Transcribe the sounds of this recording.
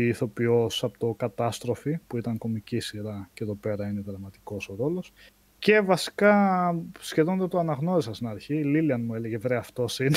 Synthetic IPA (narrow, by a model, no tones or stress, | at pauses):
iːθo̞pio̞sɐpot̪okɐt̪ɐst̪ɾo̞fipuit̪ɐŋko̞micisiɾɐceðo̞pe̞ɾɐineðɾɐmɐt̪i̥ko̞so̞ɾo̞lo̞s | ce̞vɐsi̥kɐ | sçe̞ðond̪ɐt̪oɐnɐɣno̞ɾisɐst̪inɐɾçililiɐnmue̞leʝevɾeɐft̪o̞sin